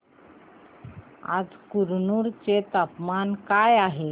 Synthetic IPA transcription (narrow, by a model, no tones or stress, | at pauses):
a̰d͡zkuɾnuɾt͡set̪apmankajaɦe